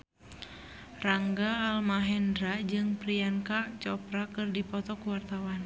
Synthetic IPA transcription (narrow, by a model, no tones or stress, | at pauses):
raŋɡaːlmaɦɛndɾad͡ʒɨŋpɾiaŋkat͡ʃɔpɾakɨrdipɔt̪ɔkuwart̪awan